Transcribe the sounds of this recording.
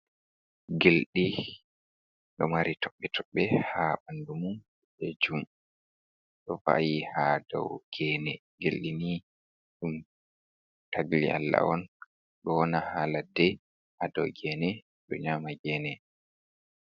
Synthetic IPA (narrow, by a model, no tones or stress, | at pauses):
ɡelɗi | ɗɔmaɾitʰɔɓːɛtʰɔɓːɛhaɓandumun | led͡ʒum | ɗɔva̰jihadɔ̰wɡ̥ɛːnɛ | ɡelɗini | ɗum | tʰaɡlḭʔa̰lːa̰ɔn | ɗɔwɔnahaːladɛ | hadɔwɡɛːnɛ | ɗɔ̰ɲaːmaɡɛːnɛ